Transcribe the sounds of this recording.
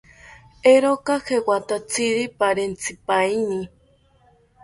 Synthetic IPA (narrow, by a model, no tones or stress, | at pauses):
eɾokahewat̪at͡sʰiɾipaɾent͡sipajni